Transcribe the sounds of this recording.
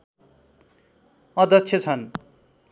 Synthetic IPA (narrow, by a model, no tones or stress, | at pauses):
ʌd̪ʌkt͡sʰjʌt͡sʰʌn